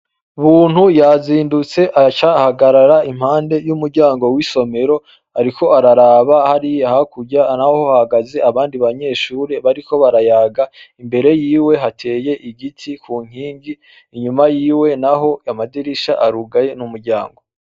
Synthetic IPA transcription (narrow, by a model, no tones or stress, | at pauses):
uβuːn̥hujaziːndut͡se̞ʔat͡ʃahaɡaɾaɾaim̥haːnde̞jumuɾɟaːŋɡo̞wiso̞me̞ɾo̞ | aɾiko̞aɾaɾaβahaɾijhakuɟanahohahaɡaze̞aβaːndiβaɲe̞ːʃuːɾe̞βaɾiko̞βaɾajaːɡaimbe̞ɾe̞jiːwe̞ɦatʰe̞ːje̞ʔiɡitʰikʰuːŋ̥hiːŋɡiː | ɲumajiːwe̞naɦo̞amadiɾiʃaʔaɾuɡaje̞numuɾɟa̰ːŋɡo